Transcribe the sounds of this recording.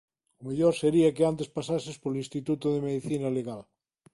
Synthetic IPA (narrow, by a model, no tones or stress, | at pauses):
ʊmeʎoɾseɾiakeant̪espasasespoɾlinst̪it̪ut̪oðemeðiθinaleɣal